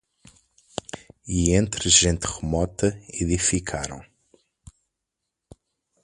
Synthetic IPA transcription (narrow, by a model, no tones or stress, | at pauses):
iẽnt̪ɾɨʒẽnt̪ʁɨmɔt̪ɐeðifikʰaɾɐ̰̃w̃